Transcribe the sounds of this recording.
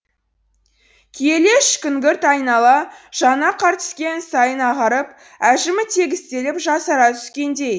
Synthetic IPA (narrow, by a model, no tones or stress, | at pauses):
kʲʰe̞le̞ʃkʲʏŋɡʲɪɾt̪ɑjnɑlˠɑʒ̥ɑnɑqʰɑɾt̪ə̥skʲe̞nsɑjənɑʁɑɾəp̚ | æʒɪmɪt̪ʰe̞ɡʲɪst̪e̞lɪpʒɑsəɾɑt̪ʰʏ̥skʲe̞nd̪e̞j